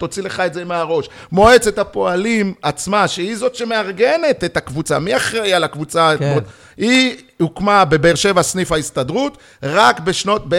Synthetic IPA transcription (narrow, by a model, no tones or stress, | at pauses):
to̞t͡sile̞χaetzemeaʁo̞ʃ | mo̞et͡se̞tapo̞alimat͡smaʃeizo̞tʃe̞me̞aʁɡe̞ne̞t̪etakvut͡samiaχʁejalakvut͡sato | i | hukmabebeːʁʃe̞vasnifhaistadʁut | ʁakbeʃno̞t̚be